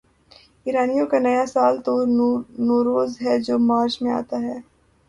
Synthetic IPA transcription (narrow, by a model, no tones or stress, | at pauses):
iːɾaːnijõkanɐjasaːlt̪onoːɾoːzɦɛd͡ʒoːmaːɾt͡ʃmẽa̰ːt̪aɦɛː